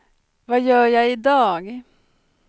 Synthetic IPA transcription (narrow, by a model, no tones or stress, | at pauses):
vɑːjøːjæɪɪd̪ɑːɡ